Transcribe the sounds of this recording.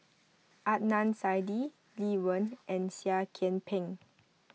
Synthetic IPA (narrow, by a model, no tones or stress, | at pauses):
ʔat̚nãnsajdi | liwə̃nʔɛ̃nsiakʰɛ̃npʰɛ̃ŋ